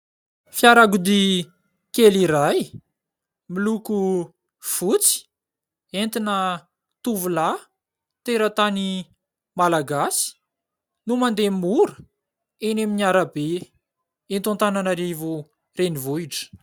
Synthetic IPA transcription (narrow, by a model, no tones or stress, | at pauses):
fjaɾaɡud̪i | keliɾaj | miluku | fut͡si̥ | ent̪inə | t̪uvula | t̪eɾət̪ani | malaɡasi̥ | numand̪emuɾə̥ | eneminiaɾabe | ent̪unt̪ananaɾivu | renivuiʈ͡ʂə̥